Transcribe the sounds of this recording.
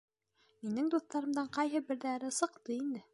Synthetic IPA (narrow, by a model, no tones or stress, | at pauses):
minɘŋd̪uθt̪ɑɾɤ̆md̪ɑɴqɑjɦɤbɘ̆ɾðæɾɘsɤ̆qt̪ɤind̪ɘ